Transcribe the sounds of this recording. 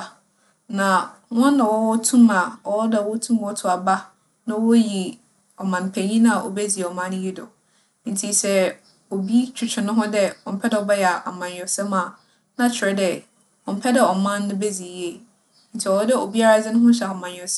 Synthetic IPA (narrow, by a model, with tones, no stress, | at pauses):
nã˨wɔ̃˦nː˦ã˨wɔ˦wɔ˦tʰũ˦ma˨ɔ˦dɛ˨wɔ˦tʰũ˦m˨ɔ˦tʰʊ˨a˨ba˦ | nã˦wɔ˦ji˨ | ɔ˨mã˨n˨pʰe˨ɲĩ˦nã˦˨ʔɔ̰˨be˦d͡zi˨e˨ɔ˨mã˦n˦ji˦dɔ̰˨˦ | n̩˨tʰi˨sɛ˦ | o˨bi˦t͡ɕʰᶣu˨t͡ɕʰᶣɪ˨nʊ̃˦ɦʊ̃˦dɛ˦ɔ˨m̩˨pʰɛ˦dɛ˦˨ɔ˨bɛ˦jɛ˨a˨ʔa˨mã˨njɔ˨sɛ˦mã˨ | nã˦t͡ɕʰɪ˨ɛ˦dɛ˨ | ɔ˨m̩˦pʰɛ˦dɛ˦˨ɔ˨mã˦nːʊ̃˦be˦d͡zi˨je˦˨ | n̩˨tʰi˨ɔ˨ɔ˦dɪ˦o˨bi˦a˦ɾa˨d͡zɪ˦nʊ̃˦ɦʊ̃˦ɕɛ˨a˨mã˨n˨ɔ˨s